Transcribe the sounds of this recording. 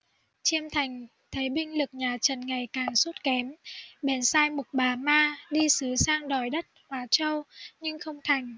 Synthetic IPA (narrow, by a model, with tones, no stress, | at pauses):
t͡ɕi˧əmt̪ʰa˨˩jŋ̟ | t̪ʰə˨˦jɓï˧ŋ̟lɨ˨˩k̚ɲaː˨˩t͡ɕə˨˩nŋa˨˩jkaː˨˩ŋsu˦˥t̚kɛ˨˦mɓɛ˨˩nsaː˧jmʊ˨˩t̚ɓaː˨˩maː˧ɗi˧sɨ˨˦saː˧ŋɗɔ˨˩jɗə˦˥t̚hwaː˨˦t͡ɕə˧wɲɨ˧ŋxə˧wŋ͡mt̪ʰa˨˩jŋ̟